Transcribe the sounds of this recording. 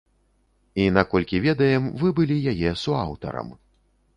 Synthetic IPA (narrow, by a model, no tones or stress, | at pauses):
inakɔlʲkʲivʲɛd̪ɐjɛmvɨbɨlʲijajɛsua̰wt̪ɐ̰ɾɐ̰m